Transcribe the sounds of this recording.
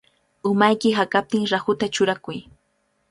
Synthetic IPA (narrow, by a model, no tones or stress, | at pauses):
ʊmajkɪɦakap̚t̪ɪŋɾahʊt̪at͡ʃʊɾakʊj